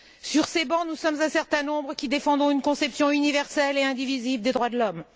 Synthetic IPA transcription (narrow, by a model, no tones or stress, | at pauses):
syʁsebɑ̃nusɔmzɛ̃sɛʁt̪ɛ̃nɔ̃bʁəkʲid̪efɑ̃d̪ʁɔ̃ynkɔ̃sɛpsjɔ̃ynivɛʁsɛleɛ̃d̪ivizivd̪ed̪ʁwad̪əlɔm